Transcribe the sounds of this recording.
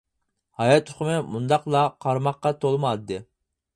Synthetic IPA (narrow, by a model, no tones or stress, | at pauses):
hɑjɑt̪ʰːʊ̥χmɨmund̪ɑqlˠɑqʰɑɾmɑqːɑt̪ʰolˠmɑd̪ɨ